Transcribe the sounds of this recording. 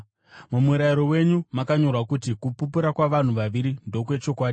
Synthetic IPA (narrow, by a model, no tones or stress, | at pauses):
mumuɾaiɾo̞we̞ɲumakaɲo̞rwakutikupupuɾakwaʋan̤uʋaʋiɾindo̞kwe̞t͡ʃo̞kwaːɗi